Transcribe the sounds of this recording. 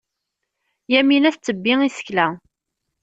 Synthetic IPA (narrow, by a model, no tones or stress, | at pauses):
jæminæθt͡sːəbːiisə̥çlæ